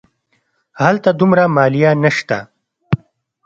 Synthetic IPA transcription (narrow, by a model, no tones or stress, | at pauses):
hɐlt̪ad̪umɾamaːlijanɐʃt̪a̰